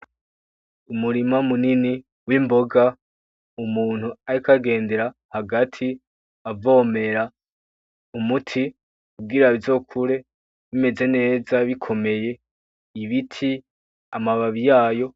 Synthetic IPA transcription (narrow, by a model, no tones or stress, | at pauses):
umuɾimamunini | wimbo̞ɡa | umuːn̥huaɾikaɡe̞ːnde̞ɾahaɡatʰi | avo̞ːme̞ɾa | umutʰi | kub̚ɡiɾaβizo̞kʰuɾe̞ | βime̞ze̞ne̞ːzaβikʰo̞me̞je̞ | iβitʰi | amaβaβijaːjo̞